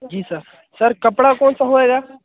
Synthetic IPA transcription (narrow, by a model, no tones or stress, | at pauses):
d͡ʒiːsəɾ | səɾkəpɽakɔːnsaɦoːeːɡaː